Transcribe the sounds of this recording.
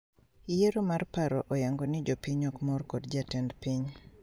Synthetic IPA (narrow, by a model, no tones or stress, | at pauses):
jeɾomarpaɾɔʔɔjaŋɡonɪd͡ʒopiɲɔkmɔrkɔdd͡ʒatɛndpiɲ